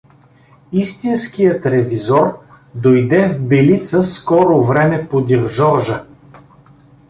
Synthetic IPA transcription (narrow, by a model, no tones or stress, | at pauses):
ist̪inskijət̪ɾɛvizɔɾ | d̪ojd̪ɛvbɛlit̪səskɔɾʊvɾɛmɛpod̪iɾʒɔɾʒə